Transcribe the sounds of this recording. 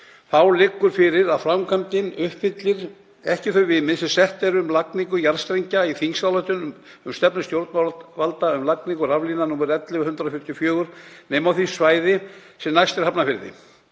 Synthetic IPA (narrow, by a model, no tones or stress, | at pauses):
θawlɪkːʏɾ̥fɪɾɪɾaðfɾamkʰant̪ɪnʏhpfɪt̪lɪɾ | ɛhcɪθœɥvɪmɪðsɛsɛht̪ɛɾʏmlakniŋkʏjaɾ̥st̪ɾejɲcaiθiŋsawlaht̪ʏn | ʏmst̪ɛpnʏst̪jowɾt̪mavalt̪aʏmlakniŋkʏɾavlinanuːmɛɾɛt̪lɪahʏnt̪ɾafʏht̪jʏfjœːɣʏɾ̥nɛːjmawθisvaːjðɪ | sɛmnajst̪ɛɾ̥hapnafɪɾðɪ̰